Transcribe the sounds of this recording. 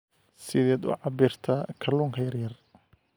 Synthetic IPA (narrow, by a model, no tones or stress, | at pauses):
sɪðɛːd̪ʊ̰ʕɑbiːrt̪ʰɐkʰɐluːŋkʰɐjɐrjɐr